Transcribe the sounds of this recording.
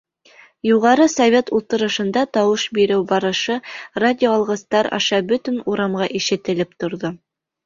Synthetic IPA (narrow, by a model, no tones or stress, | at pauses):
juʁɑɾɤsovʲe̞t̪ulˠt̪ɤ̆ɾɤ̆ʃɤ̆nd̪ɑt̪ɑwɤʃbiɾɘwbɑɾɤ̆ʃɤradʲɪoɑlˠʁɤ̆st̪ɑɾɑ̰ʃɑbɵt̪ɘnuɾɑmʁɑʔiʃɘ̆t̪ɘ̆lɘpt̪ŏɾðo